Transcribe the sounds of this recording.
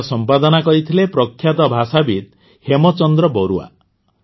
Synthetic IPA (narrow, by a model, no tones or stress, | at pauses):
sɔmpad̪ɔnakɔɾit̪ʰilepɾɔkʰːjat̪ɔbʱasabit̪̚ | hemɔt͡ʃɔnd̪ɾɔbɔɾua̰